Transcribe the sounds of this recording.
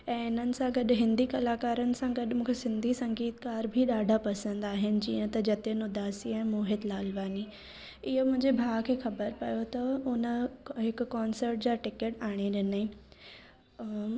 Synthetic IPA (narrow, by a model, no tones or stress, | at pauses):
ɛ̃ːɪn̤ənɪ̆sãɡɐɗɦɪ̃nd̪ikɐlaːkaːɾənɪ̆sãɡɐɗ̆mũːkʰesɪ̃nd̪ʱisɐ̃ŋɡiːt̪kaːɾbʱiɗaːɖʱapɐsə̃nd̪aːɦɪnɪ̆d͡ʑiːə̃t̪ɐd͡ʑɐt̪enʊd̪aːsiɛ̃ːmoːɦɪd̪laːlʋaːni | ɪɦomʊ̃ɦɪ̃ɲd͡ʑebʱaːkʰeːxɐbəɾpɐjot̪ɐʊnəɦɪkkːɔːnsəɾʈ̚d͡ʑaːʈɪkeʈaːɽ̃eɗɪni